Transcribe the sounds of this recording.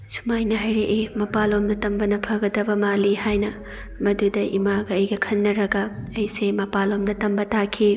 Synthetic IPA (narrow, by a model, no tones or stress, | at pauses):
su̥majnɐɦajɾeʔijmɐpalomdɐtɐmbɐnɐpʰɐɡɐdɐbɐmalihajnɐ | mɐdudɐʔḭmaɡɐːjɡɐkʰɐnːɐɾɐɡɐɐjsemɐpalomdɐtɐmbɐtakʰi